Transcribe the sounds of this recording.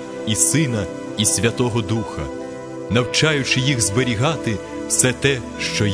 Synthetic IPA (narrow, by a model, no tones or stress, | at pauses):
isɪnɐ | isʲʋʲɐt̪ɔɦɔd̪uxɐ | nɐwt͡ʃɑjʊt͡ʃɪjiɣzbeɾʲiɦɑt̪ɪ | wsɛt̪ɛ | ʃt͡ʃɔj